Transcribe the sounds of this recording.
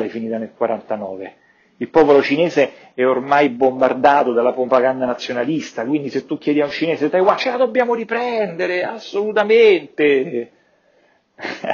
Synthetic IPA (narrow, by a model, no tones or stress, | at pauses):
ɛfːiniːt̪anelkwaɾant̪anɔːve | ilpɔːpolot͡ʃinɛːze | ɛormajbombard̪aːt̪od̪alːapɾopaɡand̪anat̪sːjonalist̪akwind̪iset̪ːukjɛːd̪jaunt͡ʃinɛːset̪ajwat͡ʃːelad̪obːjaːmoɾipɾɛnd̪eɾeasːolut̪ament̪e